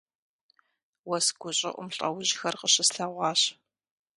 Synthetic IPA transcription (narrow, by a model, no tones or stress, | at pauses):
wɐsɡʷʊɕʼɪ̰ʔʷʊ̰mɬʼɐ̰wʊʑxɐrqəɕɪsɬɐʁʷɑːɕ